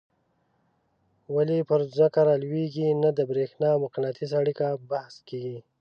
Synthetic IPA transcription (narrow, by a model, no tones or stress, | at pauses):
walipəɾzməkaɾɑlweɡinad̪əbɾexnɑmʊqɪnat̪ʰisaɽikabahskeɡi